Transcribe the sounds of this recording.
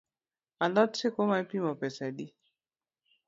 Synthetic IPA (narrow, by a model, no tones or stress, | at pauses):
alatekɔmapimɔpɛsaɗi